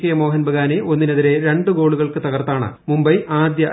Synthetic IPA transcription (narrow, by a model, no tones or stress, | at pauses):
kːɐjɐmo̞ːɦɐnbʱɐɣaːneʔo̞nːinɐðiɾe̞ɾe̞ɳɖɨɡo̞ːɭuɣɐɭkɨt̪ɐɣɐrt̪ːaːɳɨ̰mumbɐjʔaːd̪jɐ